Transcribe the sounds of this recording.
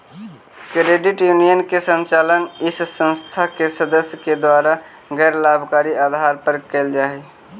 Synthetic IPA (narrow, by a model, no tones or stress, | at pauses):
kɾeɖɪʈjuːnijənkesə̃nt͡ʃaːlənɪssə̃nst̪ʰakesəd̪əsjəked̪waːɾa | ɡɛːɾlaːbʱkaːɾiaːd̪ʱaːɾpəɾkeld͡ʒaːe